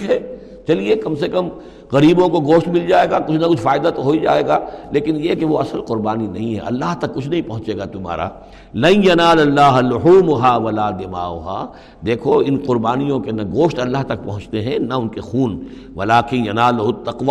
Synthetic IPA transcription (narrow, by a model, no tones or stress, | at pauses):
ɦɛː | t͡ʃɐliekɐmsekɐm | ɣɐɾiːbõkoɡoːʃʈmɪld͡ʒaːeːɡaːkʊt͡ʃʰnakʊt͡ʃʰfaːɪd̪at̪oɦoid͡ʒa̰ːeːɡaːleːkɪnjekeʋoɐsəlqʊɾbaːninɐɦĩɦɛ̰̃ɐ̰lːaɦt̪ɐkːʊt͡ʃʰnɐɦĩpɐɦʊ̃t͡ʃeːɡat̪ʊma̰ːɾa̰ | lɐ̃njɐnaːlɐlːaːɦlʊħuːmʊɦaːʋɐlaːd̪ɪma̰ːʊɦa̰ː | d̪eːkʰoɪnqʊɾbaːnijõkenɐɡoːʃʈɐlːaɦt̪ɐk̚pɐɦʊ̃t͡ʃt̪eɦɛ̃nɐʊnkexuːn | ʋɐlaːkɪnjɐnaːlɐɦʊt̪ːɐqʋa